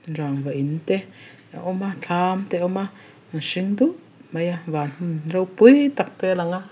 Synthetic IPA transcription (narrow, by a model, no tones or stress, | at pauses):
nɾaŋβaʔint̪e | a̰ʔomat͡ɬʰamt̪eoma | naʃiŋd̪u | majaβanɾawpwiːt̪ak̚t̪elaŋa